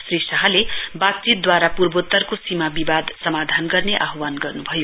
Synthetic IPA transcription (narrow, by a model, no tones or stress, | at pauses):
srisʌɦalebak̚t͡ʃit̪̚d̪waɾapurbot̪ːʌrkosimabibad̪sʌmad̪ʱanɡʌrneʔaɦwanɡʌrnubʱʌjo